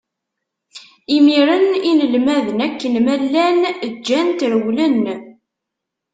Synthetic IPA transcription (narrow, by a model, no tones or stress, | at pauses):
imiɾəninəlmæðənækːənmælːænd͡ʒːænt̪ɾəwlənː